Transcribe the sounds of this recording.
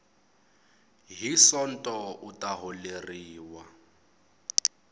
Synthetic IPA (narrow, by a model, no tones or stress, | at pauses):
ɦisɔn̩tʼɔutʼaɦɔleriːwa